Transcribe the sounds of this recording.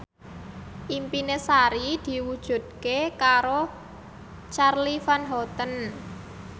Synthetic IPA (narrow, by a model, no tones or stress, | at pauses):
ʔimpinesaɾid̪̥i̤wud̥ʒ̥ṳd̪̚kekaɾo | t͡ʃarlifanɦɔt̪ən